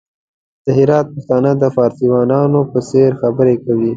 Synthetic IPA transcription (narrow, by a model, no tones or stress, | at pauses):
d̪̥əɦɪɾɑt̪̚paxt̪ɑnəd̪əfɑːɾsiwɑnɑnopəseɾxabəɾekawi